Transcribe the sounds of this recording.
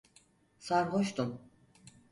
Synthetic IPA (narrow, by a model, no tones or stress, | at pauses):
saɾɦoʃt̪un